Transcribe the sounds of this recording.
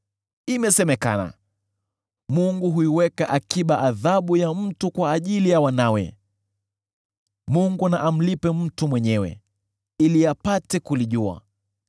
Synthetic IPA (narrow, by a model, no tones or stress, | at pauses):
imɛsɛmɛka̰na̰ | muŋɡuɦuiwɛkaʔakiɓaʔaðaɓujam̩tukwaːʄilijawanawɛ̰ | muŋɡunaʔam̩lipɛm̩tumwɛɲɛwɛ̰ | iliapatɛkuliʄua̰